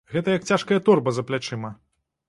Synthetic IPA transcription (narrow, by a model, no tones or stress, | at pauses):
ɣɛt̪ɐjɐk̚t͡sʲaʂkɐjɐt̪ɔrbɐzɐplʲat͡ʂɛmɐ